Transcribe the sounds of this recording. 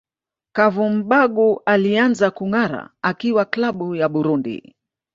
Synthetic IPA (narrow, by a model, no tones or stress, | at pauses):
kavum̩ɓaɡuʔalianzakuŋaɾa̰akiwaklaɓujaɓuɾundḭ